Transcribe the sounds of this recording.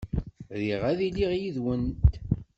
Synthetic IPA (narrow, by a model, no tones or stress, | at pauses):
ðiʁæðiliʁjiðwənt̪